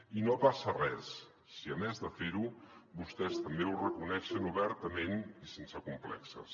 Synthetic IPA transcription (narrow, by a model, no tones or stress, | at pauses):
inopasərɛsː | iəmɛzðəfeɾuβust̪ɛst̪əmbeurəkunɛʃənuβɛɾt̪əmenisensəkumplɛ̰ksə̰s